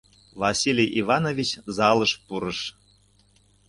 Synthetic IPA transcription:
vɑsʲilʲijʔivɑnovʲit͡ɕzɑlɤʃpuɾəʃ

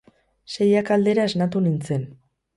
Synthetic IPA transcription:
sejakald̪e̞ɾaeznat̪̬unint͡se̞n

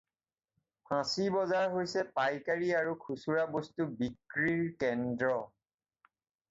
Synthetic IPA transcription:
pʰãsibɔzaɹɦojsɛpajkaɹiaɹukʰusuɹabostubikɹiɹkɛndɹɔ

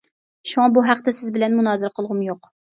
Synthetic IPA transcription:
ʃuŋɑbuɦæqt̪ɪsɪzbɪlɛnmunɑːzɨɾɛqʰəlˠʁʊmjoq

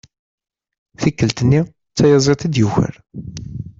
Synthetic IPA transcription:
θikːəlt̪ənːi | t͡sːæjɑzˤet̪id̪juçə̰ɾ

